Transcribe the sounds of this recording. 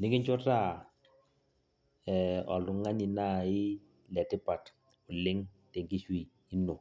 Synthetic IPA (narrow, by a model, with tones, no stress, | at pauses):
lɪ˦ŋɪ˦ɲt͡ʃʊ˦ta˦˨ | ɛ˨ɔ̰˨lʊ˨˦ŋa˦ɲɪ˨na˦˨ɪ˦ | lɛ˨tɪ˦pa˨t | ʊ˨lɪ˦ŋte˨ŋki˦ʃiː˦˨˦no˨